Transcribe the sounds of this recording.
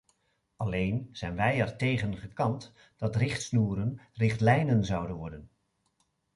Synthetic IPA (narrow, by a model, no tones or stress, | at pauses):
ɑlejnz̥ɛjnʋɛjɛɹtejχənχəkɑnt | d̥ɑtrɪχtsnuːɾənrɪχtlɛjnənzɑwdənʋɔɹdən